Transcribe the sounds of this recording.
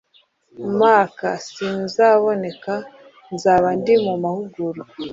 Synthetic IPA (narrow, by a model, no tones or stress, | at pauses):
maːkasinzaβo̞ne̞ka | nzaːβandimumahuɡuɾu